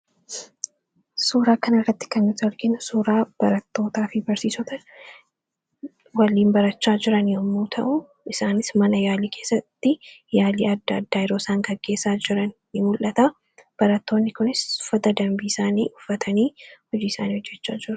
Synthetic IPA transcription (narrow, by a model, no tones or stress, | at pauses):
suːɾaːkɐnɪrːɐt̪ːɪ̥kɐnmɪt̪ɐɾɡɪnʊsuːɾaːb̥ɐɾɐt̪ːo̞ːt̪aːfɪbɐɾsiːsɔt̪ɐ | wɐliːnbɐɾɐt͡ʃːaːd͡ʒɪɾɐnjɔmːuːt̪ʰɐʔʊ | ʔɪsaːnɪsmɐnɐjaːliːkʰe̞ːsːɐt̪ːɪjaːliːɐd̪ːad̪ːaːjɪɾoːsaːŋɡɐɡːe̞ːsaːd͡ʒɪɾɐnː | ɪmʊlʔɐt̪a | b̥ɐɾɐt̪ːo̞ːnːɪkʊnɪsʊ̥fːɐt̪ɐd̪ɐmbiɪsaːnḭːʔʊfːɐt̪ʰɐniːhɔd͡ʒiːɪsaːniːhɔd͡ʒːɛt͡ʃːaːd͡ʒɪɾʊ̥